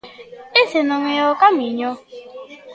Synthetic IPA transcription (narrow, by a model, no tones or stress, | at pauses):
esenʊŋʷeɔkam̩iɲo